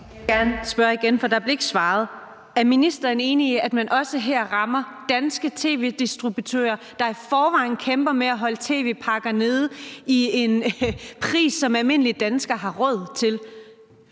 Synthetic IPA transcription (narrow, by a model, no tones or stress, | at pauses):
ɡ̥æɐnsb̥ɶɐiɡ̥enfɒ̽d̥ɑ̈b̥le̝e̝ɡ̥sʋɑ̈ːð̞̩ˠ | æɐminisd̥ɐne̝ːniæd̥mænʔɒ̽səɦɛɐ̰ʁɑ̈mɐd̥ænsɡ̥ət͡sʰe̝̰ːʋe̝ːd̥isd̥ʁub̥ut͡sʰø̰ːɐ | d̥ɑ̈ifɒːʋɑ̈ːɪ̰n̩kʰemb̥ɐmeæɦɒ̽lt͡sʰe̝̰ːʋe̝̰ːpʰɑ̈ɡ̥ɐne̝ð̞ˠie̝npʰʁḭːsːɒ̽mælme̝n̰əlid̥ænsɡ̥ɐɦɑ̈ʁɔ̽ð̞̰ˠt͡sʰe̝l